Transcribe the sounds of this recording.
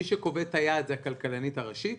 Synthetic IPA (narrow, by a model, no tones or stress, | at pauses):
iʃeko̞vetajaːdzhakalkalanitaʁaʃit